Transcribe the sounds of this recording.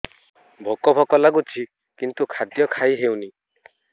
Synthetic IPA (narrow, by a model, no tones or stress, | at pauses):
bʱokɔbʱɔkɔlaɡut͡ʃʰi | kint̪ukʰad̪jɔkʰajɦewni